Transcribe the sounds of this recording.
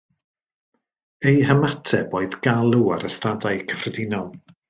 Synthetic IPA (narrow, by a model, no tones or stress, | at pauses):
ejhəmatʰɛboːɨðɡ̥alˠuaɾəstadajkʰə̥frɛdɪnɔlˠ